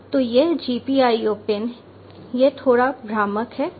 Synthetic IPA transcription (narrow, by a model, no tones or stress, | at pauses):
t̪oːjeɦd͡ʒiːpiaːioːpen | jet̪ʰoːɽabʱɾaːməkɦɛː